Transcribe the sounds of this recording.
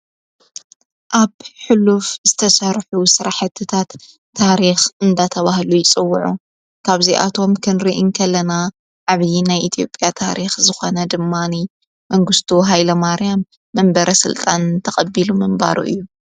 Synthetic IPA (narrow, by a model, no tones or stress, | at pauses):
ʔaβħʊlufzɨt̪ʰɐsɐɾħusɨɾaħɨt̪ʰːɨt̪ʰat̪ʰː | aɾixʔɨnd̪at̪ʰɐβahlujɪt͡sʼɨwːʊʕṵ | kʰaβziʔa̰t̪ʰo̞mkʰɨnɾiʔɨnkʰɐlːɐna | ʕaβjinajʔit̪ʰijo̞pʼjat̪ʰaɾixzɨxo̞nɐd̪ɨmːani | mɐŋɡɨst̪ʰuɦajlɐmaɾjamː | ɐmbɐɾʔɐsɨ̰lt̪ʼant̪ʰɐxʼɐbːilumɨmba̰ɾṵʔɨ̰jːu